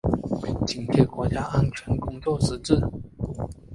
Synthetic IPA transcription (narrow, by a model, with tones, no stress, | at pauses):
t͡ɕi˨˩npʰjɛ˥˩kwɔ˧˥t͡ɕja˥ʔa˥nt͡ɕʰɥɛ˧˥nkʊ˥ŋt͡swɔ˥˨˩ʂɻ̩˧˥ʈ͡ʂɻ̩˥˩